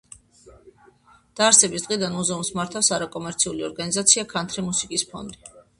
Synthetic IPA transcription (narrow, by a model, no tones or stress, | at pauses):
d̪̥aːɾsɛbisd̪ʁid̪anmuzɛumsmaɾt̪ʰafsaɾakʼɔmɛɾt̪sʰiuliɔɾɡanizat̪sʰiakʰant̪ʰɾimusikʼispʰɔ̰nd̪i